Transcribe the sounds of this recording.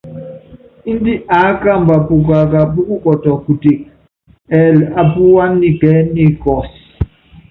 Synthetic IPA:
i˦ndi˦ʔa˨˦ka˦˨mba˨pu˨k̬a˨ka˨pu˦ku˦kɔ˨tɔ˨ku˨ti˨k̚ | ɛ˨la˨pu˦wa˦nːi˨kɛ˦ni˦˨kɔ˨si

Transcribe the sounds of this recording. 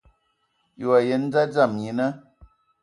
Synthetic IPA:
jo˨a˨je˨˦n̩˦d͡za˦d͡za˦˨mɲi˨˦nə˦

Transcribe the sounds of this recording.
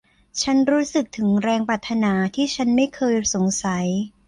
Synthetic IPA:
t͡ɕʰa˦˥nɾuː˦˥sɯ˨˩k̚t̪ʰɯ˩˦ŋɾɛː˧ŋpɾaː˨˩t̪ʰːa˧naː˩˦t̪ʰiː˥˩t͡ɕʰa˦˥nma˥˩jkʰɤː˧jso˩˦ŋsa˩˦j

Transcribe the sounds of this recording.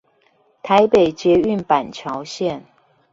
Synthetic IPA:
t̪ʰa˨˦ɪpe˨˩ɪt͡ɕjɛ˨˦y˥˨npa˨˩nt͡ɕʰjɑ˧˦ʊɕjɛ˥˨n

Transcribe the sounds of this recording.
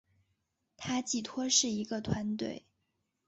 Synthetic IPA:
t̪ʰa˥t͡ɕi˥˩t̪ʰwɔ˥ʂɻ̩˥˩i˧˥ɡə˧t̪ʰwa˧˥nt̪we˥˩ɪ

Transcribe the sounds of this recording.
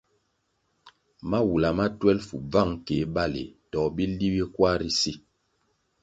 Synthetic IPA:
ma˦wu˨la˨ma˦twɛ˦lfu˨b͡va˦˨ŋke˨˦ɓa˦lḛ˨tɔ˨bi˦li˦wi˦kwa˦ɾi˦si˦˨

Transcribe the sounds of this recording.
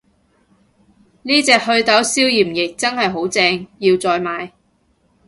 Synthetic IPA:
niː˥t͡sɛː˧k̚hɵ˧ɥt̪ɐ˨˥wsiː˥wjiː˨˩mjɪ˨k̚t͡sɐ˥nhɐ˨jɦo˨˥wt͡sɛː˧ŋjiː˧wt͡sɔː˧jmaː˨˧j

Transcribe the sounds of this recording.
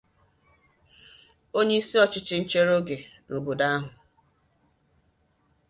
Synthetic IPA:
o˦ɲe˦i˦si˦ɔ˦t͡ʃɪ˦t͡ʃɪ˦n̩˦t͡ʃe˦ɾo˦ɡe˨no˨bo˨da˦a˦ɦʊ˨

